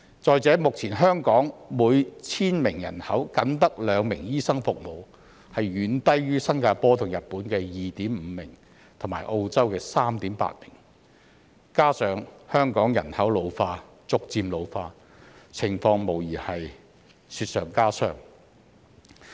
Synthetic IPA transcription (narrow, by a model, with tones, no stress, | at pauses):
t͡sɔː˨jt͡sɛː˨˥mʊ˨k̚t͡sʰiː˨˩nɦœː˥ŋkɔː˨˥ŋmuː˨˧jt͡sʰiː˥nmɪ˨˩ŋjɐ̰˨˩nhɐ˨˥wkɐ˨˥nt̪ɐ˥k̚lœː˨˧ŋmɪ˨˩ŋjiː˥sɐ˥ŋfʊ˨k̚mo˨˩w | hɐ˨jːyː˨˧˥nt̪ɐ˥jɥyː˥sɐ˥nkaː˧pɔː˥t̪ʰʊ˨˩ŋjɐ˨t̚pːuː˨˥nkɛː˧jiː˨t̪iː˨˥mm̩ː˨˧mɪ˨˩ŋ | t̪ʰʊ˨˩maː˨˩jʔo˧wt͡sɐ˥wkɛː˧saː˥mt̪iː˨˥mpa̰ː˧t̚mɪ˨˩ŋ | kaː˥sœː˨˧ŋhœː˥ŋkɔː˨˥ŋjɐ̰˨˩nhɐ˨˥wlo˨˧wfaː˧ | t͡sʊ˧k̚t͡siː˧mlo˨˧wfaː˧ | t͡sʰɪ˨˩ŋfɔː˧ŋmo˨˩wjiː˨˩hɐ˨j | syː˧t̚sœ̰ː˨ŋkaː˥sœ̰ː˥ŋ